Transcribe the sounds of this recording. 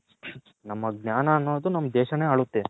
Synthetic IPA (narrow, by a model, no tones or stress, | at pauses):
nɐmːɐɡ̚nʲaːnɐːnːoːd̪unɐmːɐd̪ɛːʃɐne̞ːaːɭut̪ːe